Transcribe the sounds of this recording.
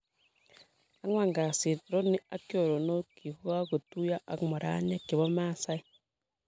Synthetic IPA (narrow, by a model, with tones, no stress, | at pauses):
a˦ŋwa˨ŋɡa˨si˨ɾo˦ni˦a˦kjo˨ɾo˨no˦kʰi˨hu˦ɣa˦ɣu˨tu˦ja˦ʔa˨mo˨ɾa̰˦ɲa˦ki˨βo˦ma˦˨sa˦i˦